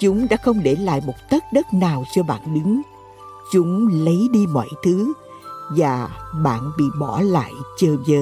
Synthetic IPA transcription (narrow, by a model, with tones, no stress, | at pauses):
t͡ɕʊ˨˦ŋ͡mɗa̰ː˧˥xə˧wŋ͡mɗe˧˩la̰ː˧˨jmo˨˩t̚t̪ə˦˥t̚ɗə˦˥t̚naː˨˩wt͡ɕɔ˧ɓa̰ː˧˨nɗɨ˨˦ŋ | t͡ɕʊ˨˦ŋ͡mlə˨˦jɗi˧mɔ̰˧˨jt̪ʰɨ˨˦ | vaː˨˩ɓa̰ː˧˨nɓḭ˧˨ɓɔ˧˩la̰ː˧˨jt͡ɕəː˧˩zəː˧